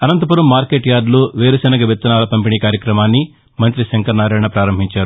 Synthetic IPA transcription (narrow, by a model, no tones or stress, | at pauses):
ɐnɐnt̪ɐpuɾɐmːaːɾkeːʈjaːɖloːʋeːɾɐsɐnɐɡɐʋet̪ːɐnaːlɐpɐmpiɳiːkaːɾjɐkɾɐmaːnːi | mɐnt̪ɾiʃɐŋkɐɾnaːɾɐːɳɐpɾaːɾɐmbʱiɲt͡ʃaːɾu